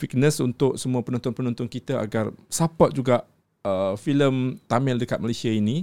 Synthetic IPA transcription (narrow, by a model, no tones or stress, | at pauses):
fik̚nə̃sunt̪ʊʔ̚səmuapənɔnt̪ɔnpənɔ̃nt̪ɔnkit̪aa̰ɡarsapɔt̪̚d͡ʒuɡaʔ | əfiləmt̪amɪldəkat̪̚malasiainĩ